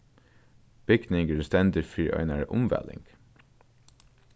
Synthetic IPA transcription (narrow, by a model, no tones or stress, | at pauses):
b̥ʏɡ̪nɪŋɡʉst̪ɛnd̪ɪfɹiːʔœ̰ʏnəɹʔʊmʋɛ̰lɪ̰ŋɡ̥